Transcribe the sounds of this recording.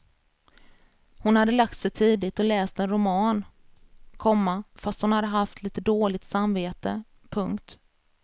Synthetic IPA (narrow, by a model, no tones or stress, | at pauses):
hʊnhad̪ːəlak̚t̪sɛjt̪ʰiːd̪ɪt̪ɔlɛːst̪ɛnɾʊmɑːn | kʰɔmːafast̪hʊnhad̪ːəɦaft̪liːt̪əd̪oːlɪɡt̪samveːt̪ə | pʰɵŋkt̪